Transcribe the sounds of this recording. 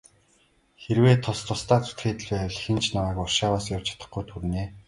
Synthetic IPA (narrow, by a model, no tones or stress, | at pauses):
xeɾweːt̪ʰːʊst̪ʰʊst̪aːt͡su̥t̪xeːt̪ɘ̆ɮweːɮxĭnt͡ɕnamaːkɔrʃaːwaːsjawt͡ɕʰḁt̪ə̥̆χɡujt̪ʰuɾ̆neː